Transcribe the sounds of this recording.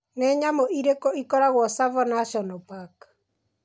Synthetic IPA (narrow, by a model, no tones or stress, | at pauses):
nɛɲamoʔiɾekɔikɔɾaɣwɔsavɔnaʃɔnɔpak